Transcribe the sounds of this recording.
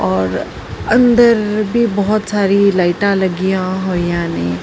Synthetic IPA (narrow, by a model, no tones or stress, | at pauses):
ɔːɾ | ənd̪əɾbʱibəɦʊt̪saːɾilaɪʈãləɡijãɦojjãne